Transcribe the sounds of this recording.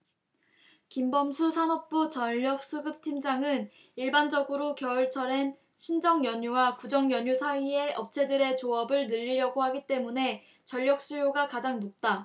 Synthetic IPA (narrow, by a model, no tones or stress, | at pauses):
kimbʌmsʰusʰanʌp̚p͈ut͡ɕʌʎːʌp̚s͈uɡɯp̚tʰimd͡ʑaŋɯn | iɭband͡ʑʌɡɯɾokjʌɯɭt͡ɕʰʌɾen | ɕʰind͡ʑʌŋjʌɲuwakud͡ʑʌŋjʌɲusʰaie̞ʌp̚t͡ɕʰe̞dɯɾe̞t͡ɕoʌbɯɭnɯʎːiɾjʌɡohaɡit͈e̞mune̞ | t͡ɕʌʎːʌk̚s͈ujoɡakad͡ʑaŋnot̚t͈a